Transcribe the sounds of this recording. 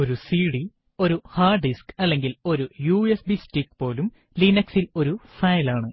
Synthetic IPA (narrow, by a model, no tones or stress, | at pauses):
o̞ɾusiːɽi | o̞ɾuhaːɖɖiskɐlːe̞ŋɡilo̞ɾujuːesbisʈrikːpo̞ːlum | linɐksilo̞ɾufɐjlaːɳɨ